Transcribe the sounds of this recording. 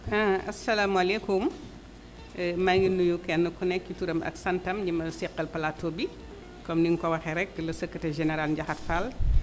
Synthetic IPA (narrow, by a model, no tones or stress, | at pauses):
ʔãʔɐsːɐlaːmuɐlɛkum | maɡinːujukɛnːəkunɛkːutuɾɐmɐ̰ksɐntɐmɟimɐsɛqːɐlpɐlatːoːbi | kɔmdiŋkɔwɐxɛɾɛk̚dlɐsəkːɐtɛʒɛnɛɾalɟɐxɐtfal